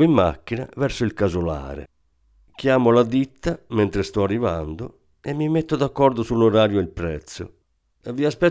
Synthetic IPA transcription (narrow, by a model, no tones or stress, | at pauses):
imːa̰kːina̰vɛɾsoilkazola̰ːɾɛ̰ | kjaːmolad̪it̪ːamɛnt̪ɾest̪ɔarːiva̰nd̪o | ɛmːimɛt̪ːod̪akːɔɾd̪osulːɔɾaːɾjoɛlpɾɛ̰t̪sːo̰ | ɛvːiaspɛ